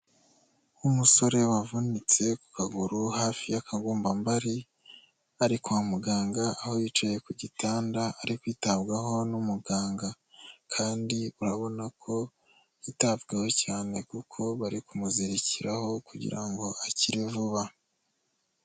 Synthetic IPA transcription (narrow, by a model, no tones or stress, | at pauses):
umuso̞ɾe̞wavunit͡se̞ku̥kaɡuɾuhaːfijakaɡuːmbambaɾi | aɾikuamuɡaːŋɡaːho̞jit͡ʃoje̞kuɟitaːndaaɾikwiːtaβɡaɦo̞numuɡaːŋɡa | kʰaːndiuɾaβo̞nakʰo̞ | itavɡeho̞caːne̞kukʰo̞βaɾikumuziɾiciɾaho̞kuɟḭɾaŋɡo̞ʔaciɾivuβa